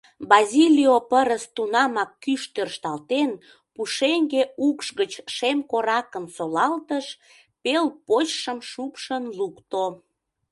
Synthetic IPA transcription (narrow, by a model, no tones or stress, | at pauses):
bɑzʲilʲiopəɾəst̪unɑmɑkːyʃt̪ørʃt̪ɑlt̪en | puʃeŋɡeukʃɣət͡ɕʃemkoɾɑkəmsolɑlt̪əʃ | pelpot͡ɕʃəmʃupʃənlukt̪o